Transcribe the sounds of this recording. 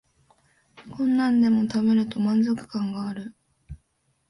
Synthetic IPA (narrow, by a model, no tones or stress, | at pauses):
kõ̞nːãnd̪e̞mo̞t̪abe̞ɾɯ̟t̪o̞mãnd͡zo̞kɯ̟̥kãŋɡaːɾɯ̟